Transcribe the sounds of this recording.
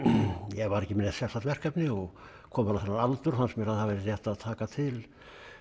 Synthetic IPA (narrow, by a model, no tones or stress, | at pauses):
jɛɣvaɾɛhcːɪmɪnːɛt̪sɛ̥sat̪vɛr̥kapnɪɔɣ | kʰɔːmanaθɛnːaɾalt̪ʏɾ̥hansmjɛɾaðhavɪɾrjɛht̪aðt̪ʰaːkat̪ʰɪl